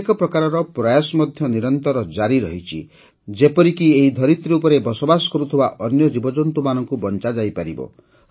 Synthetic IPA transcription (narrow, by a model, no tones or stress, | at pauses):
kɔpɾɔkaɾɔɾɔpɾɔjasɔmɔd̪ʱjɔniɾɔnt̪ɔɾɔd͡ʒaɾiɾɔɦit͡ʃʰḭ | d͡ʒepɔɾikieɦid̪ʱɔɾit̪ɾeupɔɾebɔsobasɔ̥kɔɾut̪ʰibaʔɔnjɔd͡ʒibɔd͡ʒɔnt̪umanɔŋkubɔnt͡ʃad͡ʒajpaɾibɔ̰